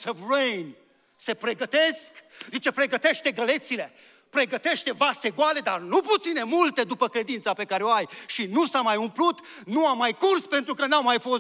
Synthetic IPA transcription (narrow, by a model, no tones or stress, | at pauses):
səvrejn | se̞pɾe̞ɡət̪eskd̪it͡ʃe̞pɾe̞ɡət̪e̞ʃt̪e̞ɡəle̞t̪sile | pɾe̞ɡət̪e̞ʃt̪e̞vase̞ɡoale̞d̪arnuput̪sine̞mult̪e̞d̪upəkɾe̞d̪int̪sape̞kaɾeoajʃinusamajumplut̪ | nuamːajkurspent̪ɾukənawmajfo̞s